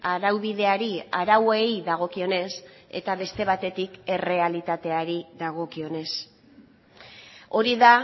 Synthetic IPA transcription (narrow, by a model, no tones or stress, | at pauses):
aɾawβið̞e̞aɾiaɾawe̞jðaɣ̞o̞kio̞ne̞se̞̰t̪aβe̞st̪e̞β̞at̪e̞t̪ike̞re̞alit̪at̪e̞aɾiðaɣ̞o̞kio̞ne̞s | o̞ɾiða